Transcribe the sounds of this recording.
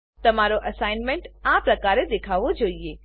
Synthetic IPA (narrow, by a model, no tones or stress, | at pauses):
t̪ɐmaːɾoʔɐsaːɪnmẽɳʈãːpɾɐkaːɾed̪eːkʰaːʋod͡ʒoːieː